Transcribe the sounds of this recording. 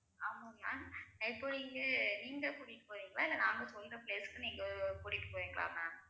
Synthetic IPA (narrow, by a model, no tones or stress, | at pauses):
aːmːɐna̰ːɪpːoniːŋɡɐniːŋɡɐkuːɽɪʈːɯ̥poːʋiːŋɡɐɭaːɪlːɐnaːŋɡɐsɔlːɾɐpleːskːɯniːŋɡɐpuːɽɪʈːɯ̥pːoːʋiːŋɡɐɭa̰ːŋaː